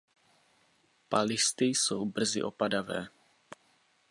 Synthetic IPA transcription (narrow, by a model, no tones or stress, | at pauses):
palɪst̪ɪjsowbr̩zɪ̰ʔo̞padavɛ̰ː